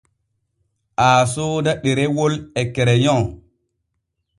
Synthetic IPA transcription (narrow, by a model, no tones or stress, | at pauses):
ʔaːsodaɗeɾewolɛkɛɾɛjɔ̃